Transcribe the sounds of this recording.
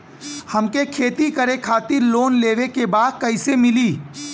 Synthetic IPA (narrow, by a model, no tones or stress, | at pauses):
hɐmkekʰeːt̪ikəɾekʰaːt̪ɪɾloːnleːʋekebaːd̪̚kɐɪsemɪliː